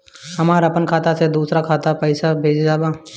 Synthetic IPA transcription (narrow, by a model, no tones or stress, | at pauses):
ɦɐmaːɾapənkʰaːt̪ased̪uːsɾakʰaːt̪apəɪsabʱeːd͡ʒd͡ʒaːbaː